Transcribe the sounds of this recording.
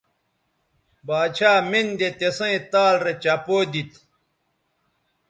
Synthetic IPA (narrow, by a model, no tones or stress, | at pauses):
baːt͡ɕʰaːmind̪et̪esɐ̃ĩt̪aːlɾet͡ɕɐpoːd̪it̪